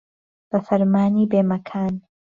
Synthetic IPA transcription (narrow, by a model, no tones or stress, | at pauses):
b̥ɐfɐɾmaːniːbeːmɐkʰaːn